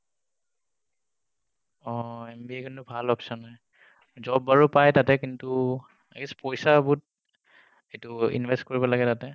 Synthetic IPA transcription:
ɔɛmbiekintubʱalɔpsɔnːaj | zɔbːaɹupajtatɛkintu | akispɔjsabut̚ | etʊḭnbʱɛstkoɹibɔlaɡɛtatɛ

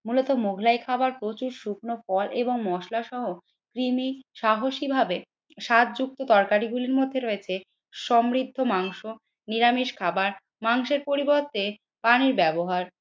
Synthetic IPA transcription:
mulot̪omoɡʱlajkʰabaɾpɾot͡ɕuɾʃuk̚ʰnofɔlʔeboŋmɔʃlaʃɔɦo | kɾimiʃaɦoʃibʱabe | ʃat̪̚d͡ʑuk̚t̪ot̪ɔɾkaɾiɡuliɾmod̪ʱːeɾoet͡ɕʰe | ʃɔmɾid̪ʱːomaŋʃo | niɾamiʃkʰabaɾ | maŋʃeɾpoɾiboɾt̪e | paniɾbɛboɦaɾ

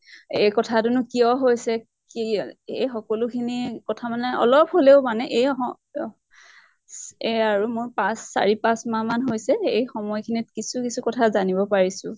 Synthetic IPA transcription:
ejkɔtʰatunʊkiɔɦojsɛ | kiejxɔkɔlʊkʰinikɔtʰamanɛɔ̰lɔp̚ɦoleʊmanɛʔejɔ | eaɹumʊjpãsːa̰ɹipãsmãmanɦojsɛejxɔmɔjkʰinitkisukisukɔtʰazanibɔpaɹisʊ̃

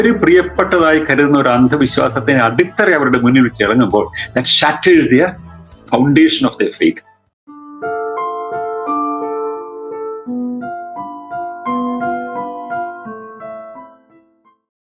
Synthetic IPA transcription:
ɐɾuprijɐpːeʈːɐðaːjikɐɾuðunːɐo̞ɾɐnd̪ʱɐʋiɕwa̰ːsɐt̪ːinɐɖit̪ːɐreɐʋɐɾuɽemunːiʋit͡ɕːɨiɭɐŋːumbo̞ːɭd̪ɐtɕatːisd̪iɐfɐwɳɖeːʂɐnofd̪ɐfḛjt̪

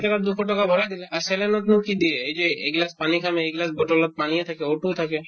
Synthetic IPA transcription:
ʈakaɾd̪ukʰoʈɔkabʱɔɾad̪ileaɾselenɔt̪nũkid̪ieejd͡ʒeeɡlaspanikʰameeɡlas̬boʈɔlɔt̪̚panijet̪ʰakeoʈut̪ʰake

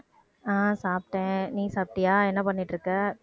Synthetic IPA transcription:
aːsaːp̚ʈẽːniːsaːp̚ʈɪjaːɛnːɐpɐnːɪʈːɾɯkːɐ

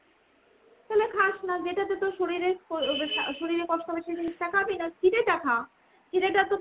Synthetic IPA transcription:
t̪alekʰaʃnad͡ʑeʈat̪et̪oʃoɾiɾeaʃoɾiɾekɔʃʈobeʃeʈeiʈakʰabijnakiɾeʈakʰa | d͡ʑiɾeʈat̪o

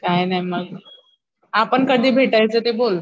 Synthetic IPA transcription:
kajnajməɡ | apəɳkəd̪ʱiːbʱeʈajt͡sət̪ebol

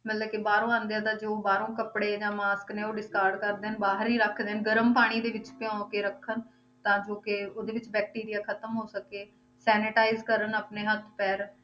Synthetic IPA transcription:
mət̪ləkɪbaːɾõːãːnd̪ãːt̪ãːd͡ʒoːbaːɾõːkəpɽeːd͡ʒãːmaːskneːoːɖɪskaːɾɖkəɾd̪eːənbaːɦəɾiːɾəkʰd̪eːɦnɡəɾəmpaːɽ̃iːd̪eːʋɪt͡ʃpɪjãːkeːɾəkʰːən | t̪ãːd͡ʒoːkɪoːd̪eːʋɪt͡ʃbɛːk̚ʈiːɾɪjaːkʰət̪əmɦoːsəkeː | sɛːnɪʈaːɪzkəɾənaːpneːɦət̪ʰpɛːɾ

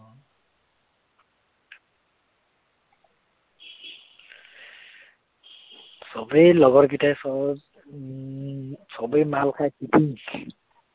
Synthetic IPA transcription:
sɔbɔjlɔɡɔɹɡitajsɔ | sɔbɔjmalkʰajkipʰiŋ

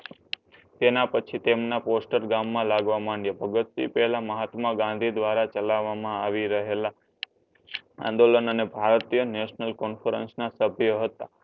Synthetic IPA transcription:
t̪enapət͡ʃʰit̪emnaposʈəɾɡamːãlaɡʋamãɳjəbʱəɡət̪sḭpɛɦlaməɦat̪mãɡãnd̪ʱid̪ʋaɾat͡ʃəlaʋamãaʋiɾəɦela | ã̰nd̪olənənebʱaɾt̪ijəneʃnəlkɔnfəɾə̰nsnasəbʱjəɦət̪a

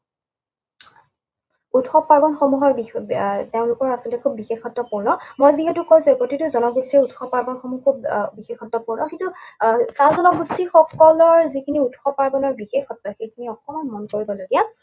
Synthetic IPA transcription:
utxɔpːaɹbɔnxɔmuɦɔɹbiteʊ̃nlʊkɔɹasɔltɛkʰubːixexɔtːɔpuɹnɔmojziɦetukoj̃sɛpotitʊzɔnɔɡustiutxɔpːaɹbɔnxɔmukʰubbixexɔtːɔpuɹnɔxĩntusazɔnɔɡustixɔkɔlɔɹzikʰiniutxɔpːaɹbɔnɔɹbixexɔtːɔxejkʰiniɔxʰɔmɔnmɔnkoɹibɔloɡija

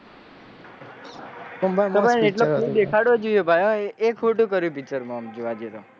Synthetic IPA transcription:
əbʱaneʈlokʰd̪ekʰaɽʋod͡ʒoijobʱajoekʰɦuʈũkəɾjũpit͡ʃəɾmamd͡ʒoʋad͡ʒeɾo

